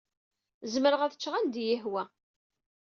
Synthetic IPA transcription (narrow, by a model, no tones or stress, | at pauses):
zməɾəʁæθə̥t͡ʃːʁænd̪jəhwæ